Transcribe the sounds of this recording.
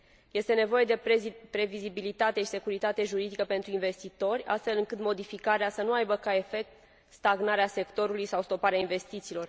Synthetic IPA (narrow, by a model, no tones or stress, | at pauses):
je̞st̪e̞ne̞vo̞je̞d̪e̞pɾe̞vizibilit̪at̪eʃi̥se̞kuɾit̪at̪e̞ʒuɾid̪ikəpe̞nt̪ɾuinve̞st̪it̪o̞rʲa̰st̪fe̞lɨŋkɨt̪mo̞d̪ifikaɾeasənuajbəkae̞fe̞k̚t̪ | st̪aɡnaɾease̞kt̪o̞ɾulujsawst̪o̞paɾeainve̞st̪it̪siːlo̞r